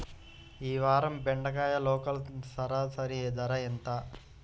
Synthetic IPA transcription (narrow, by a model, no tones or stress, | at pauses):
iːʋaːɾɐmbeɳɖɐɡaːjɐlɔːkɐlsɐɾaːsɐɾieːd̪ɐɾɐent̪aː